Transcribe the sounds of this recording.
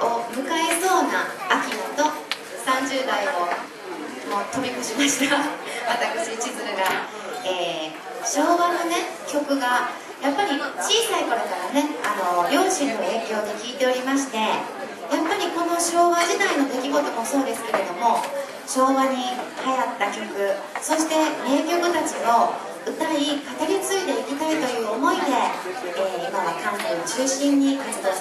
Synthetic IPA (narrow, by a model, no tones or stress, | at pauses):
o̞mɯ̟kae̞so̞ːnaːkʲinot̪o̞ | sãɲ̟d͡ʑɨːd̪aio̞ | mo̞ːt̪o̞bʲikɯ̟ɕimaɕi̥t̪aβat̪akɯ̟ɕit͡ɕizɨɯ̟ɡa | eː | ɕo̞ːβano̞ne̞ | kʲo̞kɯ̟ɡa | japːaɾʲit͡ɕiːsaiko̞ɾo̞kaɾane̞ano̞ɾʲo̞ːɕĩnːo̞e̞ːkʲo̞ːd̪e̞kʲiːt̪e̞o̞ɾʲimaɕi̥t̪e̞ | japːaɾʲiko̞no̞ɕo̞ːβaʑit̪aino̞d̪e̞kʲiɡo̞t̪o̞ɡoso̞ːd̪e̞sɨ̥ke̞ɾe̞d̪o̞mo̞ | ɕo̞ːβaɲ̟ihajat̪ːakʲo̞kɯ̟ | so̞ɕi̥t̪e̞eːkʲo̞kɯ̟t̪at͡ɕio̞ | ɯ̟t̪aikat̪aɾʲit͡sɨid̪e̞ikʲit̪ait̪o̞jɯ̟ːomo̞id̪e̞eːimaβakãntet͡ɕɨːɕĩɲ̟ːikat͡sɨd̪o